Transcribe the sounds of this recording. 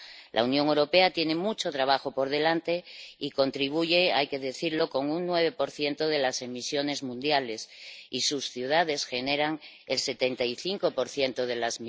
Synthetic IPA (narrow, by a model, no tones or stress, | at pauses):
lʔa̰unjo̞ŋewɾo̞pe̞at̪je̞ne̞mut͡ʃo̞t̪ɾaβ̞axo̞po̞ɾðe̞lant̪e̞iko̞nt̪ɾiβ̞uʝeajke̞ðe̞θiɾlo̞ko̞ŋuŋːwe̞β̞e̞po̞ɾθje̞nt̪oð̞e̞lase̞misjo̞ne̞zmũnd̪jale̞sisusθjuð̞að̞e̞sxe̞ne̞ɾaŋ | else̞t̪e̞nt̪aiθiŋko̞po̞ɾθje̞nt̪oð̞e̞lazmi